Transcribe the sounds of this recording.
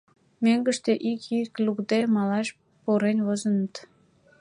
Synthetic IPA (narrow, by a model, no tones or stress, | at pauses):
meŋɡəʃt̪eʔikʰiklukd̪emɑlɑʃ | poɾenʲβozənət̪